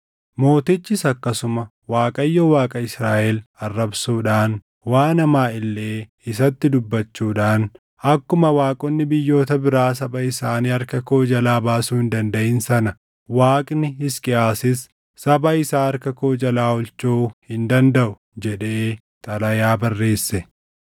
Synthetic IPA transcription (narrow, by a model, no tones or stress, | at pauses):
mo̞ːt̪ɪt͡ʃːɪsɐkːɐsʊmɐ | waːkʼɐjːowaːkʼɐɪsɾaːʔɛlɐrːɐbsuːᶑaːn | waːnɐmaːɪlːe̞ː | ɪsɐt̪ːɪd̪ʊbːɐt͡ʃːuːᶑaːn | ɐkːʊmɐwaːkʼɔnːɪbɪjːo̞ːt̪ɐbɪɾaːs̬ɐbɐɪsaːniːɐɾkɐkoːd͡ʒɐlaːbaːsuːhɪnd̪ɐnd̪ɐʔɪnsɐnɐ | waːkʼnɪɪskʼɪʔaːsɪsː | ɐbɐɪsaːɐɾkɐkoːd͡ʒɐlaːɔlt͡ʃuːhɪnd̪ɐnd̪ɐʔʊ | d͡ʒɛᶑe̞ː | t̪ʼɐlɐjaːbɐrːe̞ːsːɛ